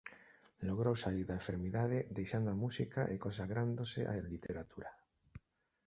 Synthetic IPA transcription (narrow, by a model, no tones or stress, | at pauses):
loɣ̞ɾowsaiɾðaẽɱfeɾmiðað̞eðejʃand̪oamusikaʔekonsaɣɾand̪osḛʔa̰lit̪ʰeɾat̪ʰuɾa